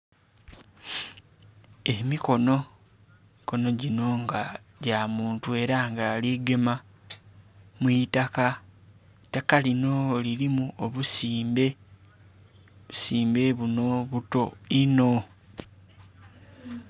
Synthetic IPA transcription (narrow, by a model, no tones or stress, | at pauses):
emiko̞no̞ | ko̞no̞ɟino̞ŋɡaɟaːmuːntue̞ɾaŋɡaːliɡe̞ma | mwitaka | takalino̞liɾimuoβusiːmbe̞ | βu̥siːmbe̞βuno̞βuto̞ino̞